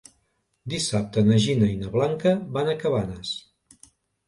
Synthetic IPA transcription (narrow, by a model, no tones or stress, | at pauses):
d̪isap̚t̪ənəʒinəjnəβlaŋkəβanəkəβanəs